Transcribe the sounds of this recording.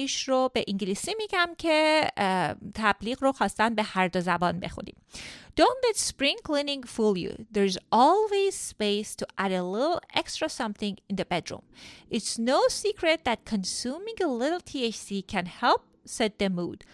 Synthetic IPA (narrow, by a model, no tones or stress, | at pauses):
iʃɾobeʔĩŋɡlisimiɡʲæmkʲʰe | t̪ʰæb̥liːɡɾoxɒːst̪ænbehæɾd̪ozæbɑːnbḛxṵnḭmd̥̪õnlɛt̪spɹĩŋklinĩŋfulˠjṵðeɹzɔlˠwez̥spejst̪ʰuʔæɾelɪɾl̩ˠḛkst̪ɾɑsʌ̃mθɪ̃ŋɡɪ̃nðəbed̪ɾṵ̃mʔɪt̪snosikʰɾet̪̚ðæt̪̚kʰɔnsumĩŋelɪɾl̩ˠt̪ʰiet͡ʃsikʰæ̃nhɛlˠp̚sɛd̪̚ːemṵd̪̥